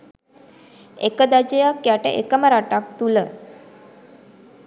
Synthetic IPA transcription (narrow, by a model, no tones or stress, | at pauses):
ekəd̪ad͡ʑəjakːjaʈə̰ʔekəməɾaʈak̚t̪ulə